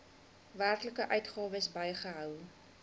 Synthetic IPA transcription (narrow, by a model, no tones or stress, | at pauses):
væːrkləkəʔœɥtχɑːvəsbəjχəɦœw